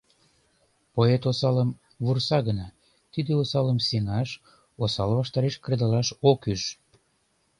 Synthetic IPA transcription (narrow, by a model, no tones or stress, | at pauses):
poet̪osɑləm | βursɑɣənɑ | t̪id̪eosɑləmseŋɑʃ | osɑlβɑʃt̪ɑɾeʃkəɾed̪ɑlɑʃokyʒ